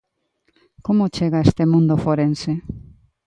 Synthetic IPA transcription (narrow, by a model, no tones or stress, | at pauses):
komot͡ʃeɣaest̪emũnd̪ʊfoɾense